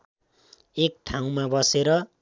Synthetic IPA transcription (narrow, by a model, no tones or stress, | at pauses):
ek̚ʈʰaw̃mabʌseɾʌ